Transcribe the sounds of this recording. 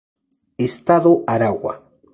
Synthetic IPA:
est̪aðoʔaɾawa̰

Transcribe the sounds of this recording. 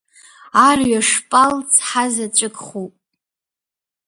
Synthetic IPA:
arɥaʂpʼalt͡sʰħazat͡ʃʷʼɨkʼχupʼ

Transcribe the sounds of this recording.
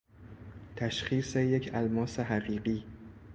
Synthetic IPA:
t̪ʰæʃχiːse̞je̞cʰælmɒːseɦæɢiːɢiː

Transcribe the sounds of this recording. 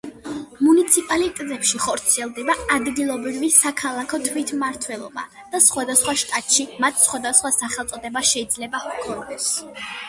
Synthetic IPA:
munit̪sʰipʼalit̪ʼɛd̪zɛpʃiχɔɾt̪sʰiɛlˠd̪ɛbaːd̪ɡilˠɔbɾivisakʰalˠakʰɔt̪ʰwit̪ʰmaɾt̪ʰwɛlˠɔ̰ba̰ | d̪̥asχwad̪asχwaʃt̪ʼat̪ʼʃimat̪ʰsχwad̪asχwasaχɛlˠt̪sʼɔd̪ɛbaʃɛid̪zlɛbakʰɔnd̪ɛs

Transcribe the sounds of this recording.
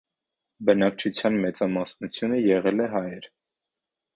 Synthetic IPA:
bənɑk̚t͡ʃʰut͡sʰjɑnmɛt͡sɑmɑsnut͡sʰjunəjɛʁɛlɛɦɑjɛɾ

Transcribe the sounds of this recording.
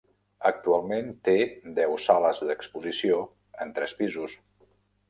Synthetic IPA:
ək̚t̪ualˠment̪ed̪ɛwsaləzðəkspuzisio | ənt̪ɾɛspizus

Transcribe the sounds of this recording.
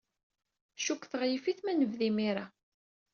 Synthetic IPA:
ʃukːθəʁjifiθmænəvðimiɾa

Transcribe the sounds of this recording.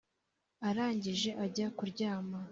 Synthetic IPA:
aɾaːɲɟiʒe̞ʔaɟakuɾɟaːma

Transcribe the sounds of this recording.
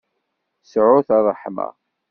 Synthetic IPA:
sʕʊθɑrˤːəħmə̰

